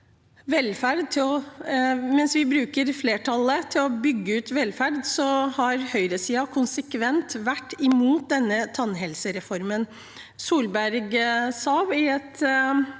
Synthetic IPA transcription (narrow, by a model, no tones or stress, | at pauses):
ʋɛlfæɾd̪̚t̪ʰɪlɔ | mɛnsʋɪbɾʉːkəɾfleːʈʰɑlːət̪ʰɪlɔbʏɡːəʉːt̪ʋɛlfæɾd̪sɔhɑɾhœʏɾəsiːɑkʰʊnsəkʋɛnt̪ʋæʈːɪmuːt̪̚d̪ɛnːət̪ʰɑnːɦɛlsəɾɛfɔɾmən | suːlbæɾɡsɑːʋɪɛt̪